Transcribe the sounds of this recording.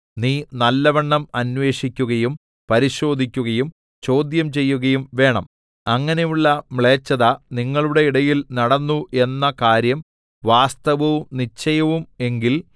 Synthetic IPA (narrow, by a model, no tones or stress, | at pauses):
niːnɐlːɐʋɐɳːɐmɐnʋe̞ːʂikʲːuɣɐjum | pɐɾiɕo̞ːd̪ʱikʲːuɣɐjum | t͡ɕo̞ːd̪jɐmt͡ɕe̞jːuɣɐjumʋe̞ːɳɐ̰m | ɐŋːɐne̞juɭːɐmɭeːt͡ɕːɐðɐniŋːɐɭuɽe̞iɽɐjilnɐɽɐnːuʔe̞nːɐkaːɾjɐm | ʋaːst̪ɐʋɐʋumnit͡ɕːɐjɐʋume̞ŋɡil